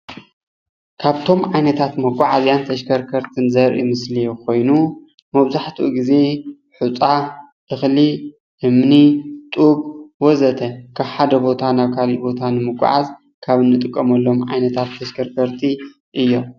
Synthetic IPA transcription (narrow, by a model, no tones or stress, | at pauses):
kʰaβt̪ʰo̞mʕajnɐt̪ʰat̪mɐkʷʼaʕazjant̪ʰɐʃkʰɐɾkʰɐɾt̪ʰɨnzɐɾʔḭmɨslijkʰo̞jnu | mɐβzaħt̪ʰuʔuɡize̞ | ħut͡sʼa | ʔɨxli | ʔɨmnit̪ʼubwɔzɐt̪ʰɐkʰaβħad̪ɐbo̞t̪ʰanaβkʰalibo̞t̪ʰanɨmɨkʷʼːa̰ʕaz | kʰaβɨnːɨt̪ʼɨkʼːɐmɐlːo̞mʕa̰jnɐt̪ʰat̪ʰːɐʃkʰɐɾkʰɐɾt̪ʰi | ʔɨjːo̞m